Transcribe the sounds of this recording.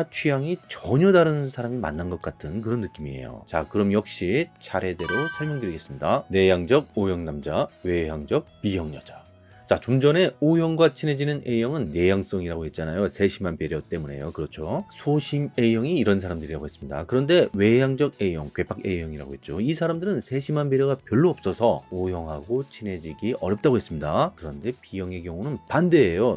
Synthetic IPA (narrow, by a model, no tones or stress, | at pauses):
at͡ɕʰijaŋit͡ɕʌɲʌdaɾɯnɯnsʰaɾamima̰nːanɡʌk̚k͈atʰɯnkɯɾʌnːɯk͈imie̞̰jo̰t͡ɕakɯɾʌmjʌk̚ɕ͈it͡ɕʰaɾe̞de̞ɾosʰʌɭmjʌŋdɯɾiɡe̞s͈ɯmɲidane̞jaŋd͡ʑʌɡ̚ojʌŋnamd͡ʑawe̞jaŋd͡ʑʌk̚p͈ijʌŋɲʌd͡ʑḁ | t͡ɕat͡ɕomd͡ʑʌne̞ojʌŋɡwat͡ɕʰinɦe̞d͡ʑinɯnʔe̞jʌŋɯnːejaŋs͈ʌŋiɾaɡoɦe̞t̚t͡ɕ͈anajosʰe̞ɕʰimanbjeɾjʌt͈e̞mune̞̰jokɯɾʌt͡ɕʰosʰoɕʰime̞jʌŋiːɾʌnsʰaɾamdɯɾiɾa̰ɡoes͈ɯmɲida̰kɯɾʌnde̞we̞jaŋd͡ʑʌɡ̚e̞jʌŋkɥe̞pʰake̞jʌŋiɾa̰ɡoɦe̞t̚t͡ɕ͈oisʰaɾamdɯɾɯnsʰe̞ɕʰimanbjeɾjʌɡapjʌɭːoʌp̚s͈ʌsʰʌojʌŋɦaɡot͡ɕʰinɦe̞d͡ʑiɡiʌ̰ɾjʌp̚t͈aɡoɦe̞s͈ɯmɲidakɯɾʌnde̞pijʌŋe̞kjʌŋunɯnpande̞ːjo